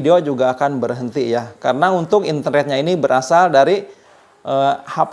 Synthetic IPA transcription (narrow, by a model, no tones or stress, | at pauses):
deod͡ʒuɡaːkanbərɦənt̪ijakaɾənaunt̪ʊkint̪ərnɛt̪̚ɲainibəɾasaldaɾi | ʔəhap